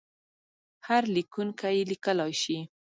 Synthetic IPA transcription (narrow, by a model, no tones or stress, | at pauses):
haɾlɪkʊŋkajɪlɪkalɑjʃɪ